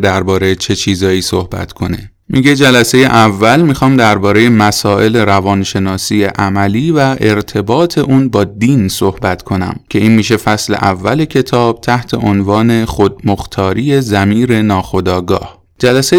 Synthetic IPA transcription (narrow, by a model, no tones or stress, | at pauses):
d̪æɾbɒːɾejet͡ʃʰe̞t͡ʃʰiːzɒːjiːsohbæ̰t̪kʰo̞nḛ | mʔiɟe̞d͡ʒælæse̞je̞ʔævːælmixɒːmd̪æɾbɒːɾe̞jemæsɒːʔe̞le̞ɾævɒːnʃe̞nɒːsiːjeʔæmæliːvæʔe̞ɾt̪ʰe̞bɒːt̪ʰe̞ʔuːnbɒːd̪iːnso̞hbæt̪ʰkʰo̞næ̰mcʰe̞iːnmiːʃ̬e̞fæsle̞̰ʔævːæle̞cʰe̞t̪ʰɒːb̥̚t̪ʰæht̪ʰe̞ʔonvɒːne̞xod̪̚moxt̪ʰɒːɾije̞zæmiːɾe̞nɒːxo̞d̪ɒːɡɒ̰ːh | d͡ʒælæse